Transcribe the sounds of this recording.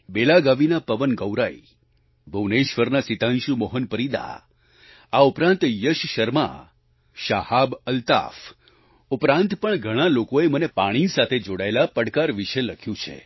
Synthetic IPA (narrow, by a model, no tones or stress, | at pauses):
belaɡaʋinapəʋənɡəwɾai | bʱəʋneʃʋəɾnasit̪ãnʃumɔɦənpəɾid̪a̰ | aupɾãnt̪jəʃʃəɾma̰ | ʃahabəlt̪a̰f | upɾãnt̪pəɳɡʱəɽ̃alokoemənepaɽ̃isat̪ʰed͡ʒoɽaelapəɽkaɾʋiʃeləkʰjũt͡ʃʰḛ